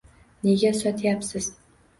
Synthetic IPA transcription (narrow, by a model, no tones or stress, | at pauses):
neɡʲɛsɔt̪ʰjaːpsɨz̥